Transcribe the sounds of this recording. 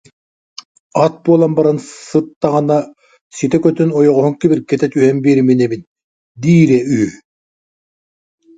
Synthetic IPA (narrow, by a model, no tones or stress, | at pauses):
at̪̚buɔlˠanbaɾansɯt̪ːaʁɯna | sit̪ɛkœt̪ynɔjɔʁɔɦɔŋkibiɾkɛt̪ɛt̪yɦɛmbiːɾminɛbin | d̪iːɾɛyɦy